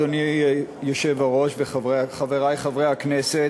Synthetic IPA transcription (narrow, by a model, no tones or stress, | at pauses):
onijoʃevhaʁo̞ʃbeχaveʁajχavʁejhaknese